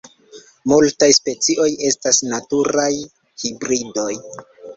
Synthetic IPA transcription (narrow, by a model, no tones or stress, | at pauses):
multajspe̞t͡siʔo̞je̞stasnatuɾaj | hibɾido̞j